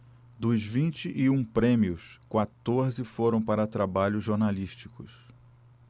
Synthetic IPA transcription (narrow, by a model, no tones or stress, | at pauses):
d̪ʊzvĩnt͡ʃɪʔiũpɾẽmiʊskwat̪oɾzɪfoɾɐ̃w̃paɾɐt̪ɾabaʎʊzʒoɾnaliʃt͡ʃikʊs